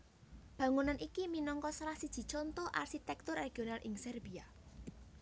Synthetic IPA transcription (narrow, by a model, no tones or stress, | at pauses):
b̥ä̤ŋunanʔikiminɔŋkɔsɾasid̥ʒ̥i̤t͡ʃɔnt̪ɔʔa̰rʃit̪ɛk̚t̪ʊrːeɡ̥ionalʔɪŋsɛrb̥ia